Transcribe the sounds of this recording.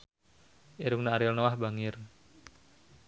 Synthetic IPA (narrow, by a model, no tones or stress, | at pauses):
ʔeɾuŋnaaɾɪlnowahbaŋɪr